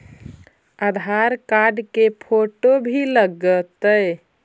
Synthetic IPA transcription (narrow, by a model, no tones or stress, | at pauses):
əd̪ʱaɾkaɾɖkepʰoʈobʱiləɡət̪əj